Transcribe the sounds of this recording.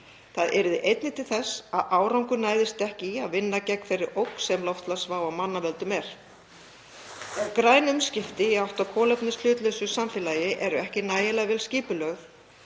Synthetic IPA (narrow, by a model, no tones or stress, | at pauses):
θaðʔɛɾʏðɪʔejt̪nɪt̪ʰɪlθɛsaðaːwɾawŋkʏnaːjðɪst̪ɛhcɪaðvɪnːacɛkfɛrːɪɾowksɛmlɔwft̪lasvaːwamanːavɛlt̪ʏmɛɾ̥ | kɾaːjnʏmscɪft̪ɪiawht̪awkʰɔːlɛpnɪst̪l̥ʏːt̪lœsʏsamfɪːlajɪʔɛɾʏɛhcɪnaːjɪlaɣvɛːlsciːpʏlœɣθ